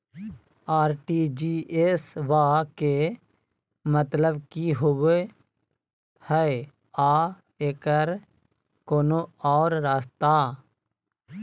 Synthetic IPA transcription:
aːɾʈiːd͡ʒiːʔesʋaːke | mət̪ləbkiɦoʋe | hɛe | aː | eːkəɾ | koːnoaːɾɾaːst̪aː

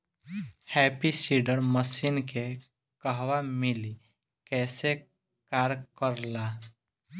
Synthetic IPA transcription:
hɛpisiɖəɾməsiːnke | kəɦʋamili | kɛːse | kaːɾkəɾla

